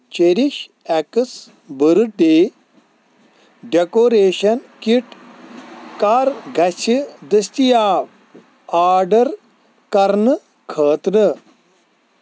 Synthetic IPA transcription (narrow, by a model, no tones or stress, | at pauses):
t͡ʃeɾiʃ | ɛkɨs | bəɾɨɖeː | ɖekoːɾeːʃɐnkiʈ | kaːɾɡʱɐsid̪ɐst̪ijaːʋ | aːɖɐɾ | kɐɾnɨ | kʰəːt̪nɨ